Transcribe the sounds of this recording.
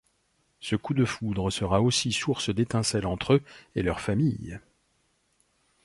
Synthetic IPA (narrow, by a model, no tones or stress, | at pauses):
səkud̪əfud̪ʁəsəʁaosisuʁsəd̪et̪ɛ̃sɛlɑ̃t̪χøelœʁfamij